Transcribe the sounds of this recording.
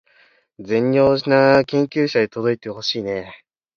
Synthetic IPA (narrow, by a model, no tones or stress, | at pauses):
d͡zẽ̞ɲʲo̞ːʑinakẽ̞ŋkʲɨːɕad̪et̪o̞d̪o̞it̪e̞ho̞ɕiːne̞